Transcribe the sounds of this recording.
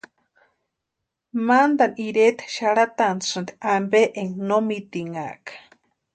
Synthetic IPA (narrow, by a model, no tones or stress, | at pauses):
mand̪aniɾet̪ʃaɽat̪anʂɨnd̪ambeʔeŋnomit̪iŋa̰ʔkḁ